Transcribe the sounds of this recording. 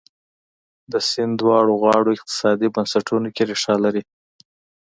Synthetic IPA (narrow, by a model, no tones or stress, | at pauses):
d̪əsɪnd̪wɑɽoɣɑɽoɪq̚t̪ɪ̥sɑd̪ibansaʈʰunokeɾɪʂɑlaɾi